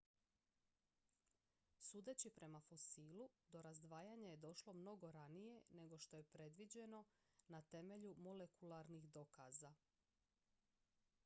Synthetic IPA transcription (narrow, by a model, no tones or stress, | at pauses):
suːd̪e̞t͡ɕipɾʔe̞mafo̞siːlud̪o̞ɾazd̪ʋaːjaɲaje̞d̪o̞ʃlo̞mno̞ɡo̞ɾanije̞ne̞ɡo̞ʃt̪o̞je̞pɾe̞d̪ʋid͡ʑe̞no̞nat̪e̞me̞ʎumo̞le̞kulaɾnixd̪o̞kaːza